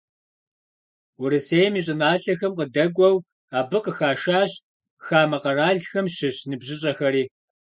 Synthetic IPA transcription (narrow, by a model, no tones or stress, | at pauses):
wʊɾɨseːjmiːɕʼɪnaːɬɐxɐmqədɐɡʷɐw | aːbɨqəxaːʃaːɕ | xaːmɐqɐraːɮxɐmɕɪɕnɨbʑɪɕʼɐxɐɾiː